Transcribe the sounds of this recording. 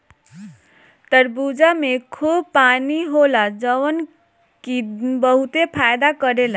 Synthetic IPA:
t̪əɾbud͡ʒamekʰubpaniɦolad͡ʒəwən | kibʌɦut̪epʰajd̪akəɾela

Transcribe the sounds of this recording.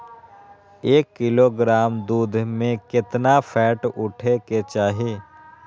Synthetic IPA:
eːkːɪloːɡɾaːmd̪uːd̪ʱmẽkɪt̪napʰɛːʈʊʈʰeket͡ʃaːɦeː

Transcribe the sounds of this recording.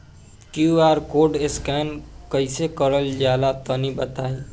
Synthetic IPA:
kjuaːɾkoːɖeskɛːnkɐɪsekəɾəld͡ʒaːlat̪ənibət̪aːe

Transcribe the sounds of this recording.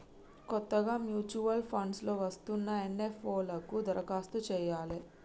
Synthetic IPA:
kɔt̪ːɐɡaːmjuːt͡ʃuʋɐlpʰɐɳɖslo̞ːʋɐst̪unːɐenːefoːlɐkud̪ɐɾʔɐkaːst̪ut͡ʃɛːjaːle

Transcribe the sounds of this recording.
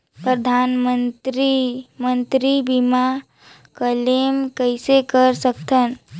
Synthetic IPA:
pɾəd̪ʱaːnmənt̪ɾimə̃nt̪ɾibima | kəlemkəsekəɾsəkt̪ʰən

